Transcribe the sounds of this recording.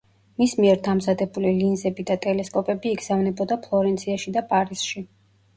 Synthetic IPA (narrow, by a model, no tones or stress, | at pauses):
mismiɛɾd̪amzad̪ɛbulilinzɛbid̪at̪ʼɛlɛskʼɔpʼɛbiːɡz̥avnɛbɔd̪apʰlˠɔɾɛnt̪sʰiaʃid̪apʼaɾisʃi